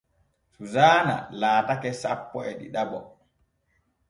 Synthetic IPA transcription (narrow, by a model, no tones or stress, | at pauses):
suzaːna̰laːtakɛsa̰pːɔɛɗḭɗabɔ